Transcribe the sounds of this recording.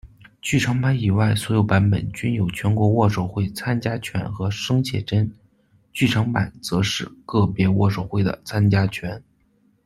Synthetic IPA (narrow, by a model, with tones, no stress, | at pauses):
t͡ɕy˥˩ʈ͡ʂʰɤ˧˥ŋpa˧˥ni˨˩wa˥˩ɪswɔ˧˥jo˨˧˩ʊpa˧˥npə̰˨˩nt͡ɕy˥njo˨˩ʊt͡ɕʰɥɛ˧˥nkwɔ˧˥wɔ˥˩ʂo˨˩ʊxwe˥˩ɪt͡sʰa˥nt͡ɕja˥t͡ɕʰɥɛ̰˧˥nxɤ˧˥ʂɤ˥ŋt͡ɕʰjɛ̰˥˩ʈ͡ʂə˥n | t͡ɕy˥˩ʈ͡ʂʰɤ˧˥ŋpa˨˩˦nt͡sɤ˧˥ʂɻ̩˥˩kɤ˥˩pjɛ˧˥wɔ̰˥˩ʂo˨˩ʊxwe˥˩ɪd̪ə̰˩t͡sʰa˥nt͡ɕja˥t͡ɕʰɥɛ˧˥n